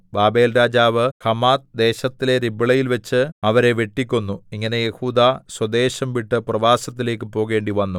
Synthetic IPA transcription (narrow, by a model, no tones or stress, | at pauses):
baːbe̞ːlɾaːd͡ʑaːʋɨhɐmaːt̪̚d̪e̞ːɕɐt̪ːile̞ɾibiɭɐjilʋet͡ɕːɨɐʋɐɾe̞ʋeʈːikʲːunːuiŋːɐne̞je̞huːd̪aːswɐd̪e̞ːɕɐmʋiʈːɨprɐʋaːsɐt̪̬ːile̞ːkːɨpo̞ːɣe̞ːɳɖiʋɐnːu